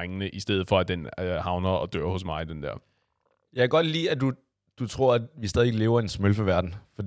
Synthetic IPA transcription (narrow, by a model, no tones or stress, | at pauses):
eŋənəʔisd̥eð̞̩ˠfɒ̽æd̥enhɑ̈ʊnɐɒ̽d̥ø̰ɐ̰hɔ̽s̬mɑ̈ɪd̥end̥ɛɐ̰ | jɑæɡ̥ɒ̽d̥lḭːæd̥u | d̥ut͡sʰʁo̝ɐ̰æʋisd̥ɛːðˠieɡlːʊɐe̝nsmølfəʋæɐd̥n̩fɒ̽d̥